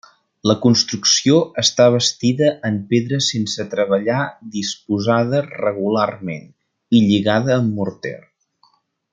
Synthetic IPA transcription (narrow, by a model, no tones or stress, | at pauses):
ləkunst̪ɾuksioəst̪aβ̞əst̪iðəʔːmpeðɾəsensət̪ɾəβ̞əʎad̪ispuzað̞ərəɣularmḛn | iʎiɣaðəːmːuɾt̪ɛ̰r